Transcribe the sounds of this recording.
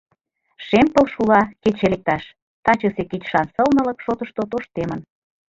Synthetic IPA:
ʃempə̆lʃulɑket͡ɕelek̚t̪ɑʃ | t̪ɑt͡ɕəseket͡ɕʃɑnsəlnə̆lə̆kʃot̪ə̆ʃt̪ot̪oʃt̪emə̆n

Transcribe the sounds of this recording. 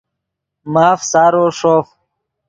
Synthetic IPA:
maːfsaːɾoːʂoːf

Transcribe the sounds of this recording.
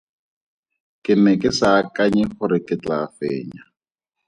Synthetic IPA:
kɪmɛkʼɪsakaɲɛχʊɾɪkɪt͡ɬafeːɲa

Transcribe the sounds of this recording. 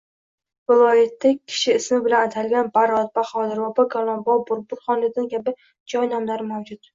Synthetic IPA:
vɪlˠɒjat̪ʰːakʲʰɪ̥ʃɪːsmɪbɪlanat̪ʰalɡʲanbaɾɒt̪̚baχɒd̪ɪɾvabɒɡɒlˠɒnbɒbʊɾbʊɾχɒnlɪd̪ankʲʰabɪ | d͡ʒɒjnamlaɾɪmawd͡ʒʊt̪

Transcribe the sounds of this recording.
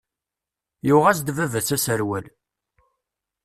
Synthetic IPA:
jʊʁæsd̪vævæt͡sːæsəɾwæl

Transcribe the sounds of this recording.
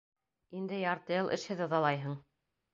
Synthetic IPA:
ind̪ɘjɑɾt̪ɤjɤlˠʔɘ̰̆ʃhɘ̆ðŏðɑlˠɑjɦɤɴ

